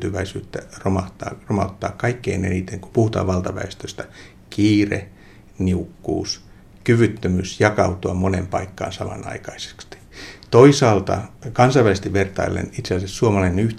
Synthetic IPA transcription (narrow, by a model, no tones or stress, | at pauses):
t̪yʋæisyːt̪ːæ̰romɑt̪ɑ̰ːromɑut̪ːɑ̰ːkkɑikːeinḛnit̪eŋkupuhut̪ɑ̰ːʋɑlt̪ɑʋæ̰est̪øst̪æ̥ | kiːrḛ | niukːṵːs | kyʋyt̪ːømysjɑkɑut̪uɑmonempɑikːɑ̰ːnsɑmɑ̰nɑ̰ikɑise̥kst̪i̥t̪oisɑːlt̪ɑ̰kɑnsɑiʋælst̪iʋʋert̪ɑ̰ilːḛnit̪selisessuomɑlɑinenyh